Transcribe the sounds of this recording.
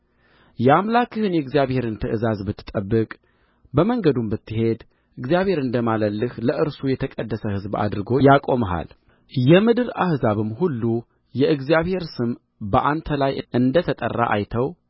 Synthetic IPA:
jɛamlakɨhɨnjɛɨɡzijaβhe̞ɾɨnt̪ʰəʔɨzazbɨt̪ːɨ̥t̪ʼːəbːɨkʼ | bəməŋɡəd̪umbɨt̪ːɨɦe̞d̪ | ʔɨɡzijaβhe̞ɾɨnd̪əmaləlːɨhləʔɨɾsujɛt̪ʰəkʼəd̪ːəsəhɨzba̰d̪ɾɨɡo̞jakʼo̞məɦa̰l | jɛmɨd̪ɨɾahzaβɨmhulːu | jɛʔɨɡzijaβhe̞ɾsɨm | bəʔant̪ʰəlajɨʔɨnd̪ət̪ʰət̪ʼə̰rːa̰ʔa̰jt̪ʰəw

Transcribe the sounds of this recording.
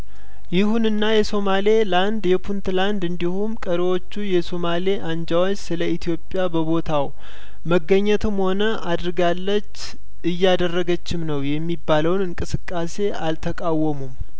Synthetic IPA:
jɪhunɨnːajɛso̞male̞land̪jɛpʰunt̪land̪ɨnd̪ihumkʼəɾewo̞t͡ʃːujɛso̞maleʔaɲd͡ʒawot͡ʃːsɨləit̪ʰijo̞pʼːjabəbo̞t̪ʰaw | məɡːəɲːət̪ʰɨmho̞nəʔad̪ɾɡalːət͡ʃː | ʔɨjːad̪ərːəɡət͡ʃːɪmnəwjɛmːibːaləwnɨŋkʼɨsɨkʼːase̞ʔalt̪ʰəkʼawːəmum

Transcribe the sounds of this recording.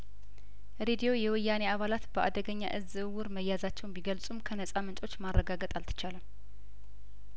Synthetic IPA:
ɾed̪ijo̞jɛwɨjːaneaβalat̪bəʔa̰d̪əɡəɲːa̰ʔɨzɨwʊɾməjːazat͡ʃːɛwnbiɡəlsʼumkʰənəsʼamənt̪ʼo̞t͡ʃːmarːəɡaɡət̪ʼalt̪ʰɨ̥t͡ʃalə

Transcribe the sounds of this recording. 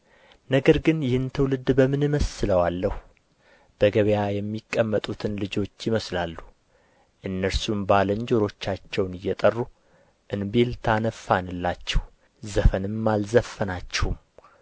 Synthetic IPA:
nəɡəɾɡɨnjɪhɨnt̪ʰəwlɨd̪bəmɨnɨməsɨləwalːəh | b̥əɡəβjajɛmːikʼːəmːət̪ʼut̪ʰɨnlɨd͡ʒo̞t͡ʃːɪməslalːu | ʔɨnːəɾsumbaləɲd͡ʒoɾo̞t͡ʃːat͡ʃːɛwnɨjːɛt̪ʼərːu | ʔɨnbelt̪ʰanəfːanɨlːat͡ʃːɛw | zəfənɨmːalzəfːənat͡ʃːɛhum

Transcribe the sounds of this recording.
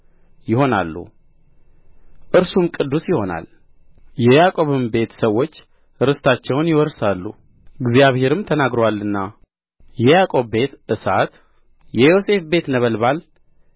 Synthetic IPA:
jɪho̞na̰lːṵ | ʔɨɾsumkʼɨd̪ːusjɪho̞na̰l | jɛjakʼo̞βɨmbe̞t̪səwːo̞t͡ʃː | ɾɨst̪ʰat͡ʃːɛwnjɪwɔɾsalːṵ | ɡzjaβhe̞ɾɨmt̪ʰənaɡɾowalːɨnːa | jɛjakʼo̞βbe̞t̪ʔɨsat̪ | jɛjo̞se̞fbe̞t̪nəβəlbal

